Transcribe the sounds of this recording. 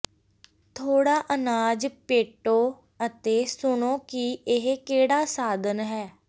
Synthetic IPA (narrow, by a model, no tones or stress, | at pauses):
t̪ʰoːɽaːʔənaːd͡ʒpeːʈoː | ət̪eːsʊɳõːkiʔɪɦkeːɽaːsaːd̪ənɦɛː